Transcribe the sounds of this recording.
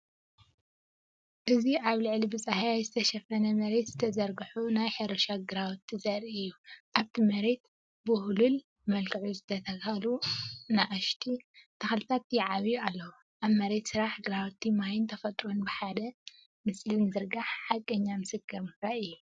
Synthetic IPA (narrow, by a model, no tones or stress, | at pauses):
ʔɨziʔaβlɨʕlibɨt͡sʼahajajzɨt̪ʰɐʃɐfɐnɐmɐɾe̞t̪zɨt̪ʰɐzɐɾɡɨħunajħɐɾoʃaɡɨɾawt̪ʰːizɐɾiɨjːuʔaβt̪ʰimɐɾe̞t̪̚ | bɨhulul | mɐlkʰɨʕuzɨt̪ʰɐt̪ʰɐkɐlunaʔaʃt̪ʰit̪ʰɐxlɨt̪ʰat̪jɛʕaβjalːɐwu | ʔaβmɐɾe̞t̪sɨɾaħɡɨɾawt̪ʰːimajɪnt̪ʰɐfɐt̪ʼɾonbɨħad̪ɐ | mɨslɨnzɨɾɡaħħakʼːɐɲːamɨsɨkːɨɾmɾaʔɨjːu